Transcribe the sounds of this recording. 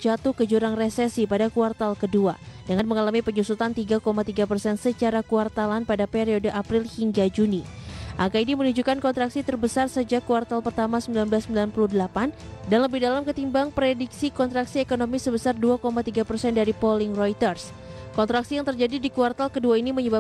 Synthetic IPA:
d͡ʒat̪uhkəd͡ʒuɾaŋresɛsipadakuart̪alkəduadəŋanməŋalamipəɲusut̪ant̪iɡakomat̪iɡapərsɛnsət͡ʃaɾakuart̪alanpadapeɾiodəʔapɾɪlhiŋɡad͡ʒuniʔaŋkaidimənud͡ʒukankɔnt̪ɾaksit̪ərbəsarsəd͡ʒakuart̪alpərt̪amasəmbilanbəlasːəmbilanpuluhdəlapan | danləbihdalamkət̪imbaŋpɾedik̚sikɔnt̪ɾaksiekonomisəbəsarduakomat̪iɡapərsɛndaɾipolɪŋrojt̪ərs | kɔnt̪ɾaksijaŋt̪ərd͡ʒadidikuart̪alkəduainiməɲəba

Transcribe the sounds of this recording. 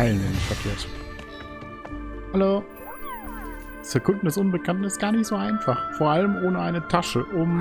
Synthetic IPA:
ɛlənɪnɪçfɛɐkʰeːɐt | haloː | sɛɐkʰʊntn̩dɛsʔʊnbəkʰantn̩ɪstɡ̥aːɐnɪçtz̥oːaɪnfaχfoːɐʔaləmʔoːnəʔaɪnətʰaʃəʔʊm

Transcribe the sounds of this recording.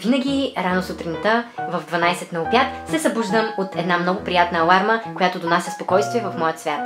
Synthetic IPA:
vinəɡʲiɾanosut̪ɾʲint̪əvɐvd̪vɐnajsɛt̪nɐʊpjat̪sɛsɐbuʒd̪əmot̪ɛd̪namnɔɡʊpɾijat̪nəːlˠaɾməkojat̪od̪onasʲɐspokɔjst̪viɛvɐfmɔjət̪svʲjat̪

